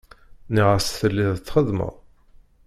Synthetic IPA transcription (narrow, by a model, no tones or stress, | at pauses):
niʁəsθəlːiðət͡sːχəðmə̰ðˤ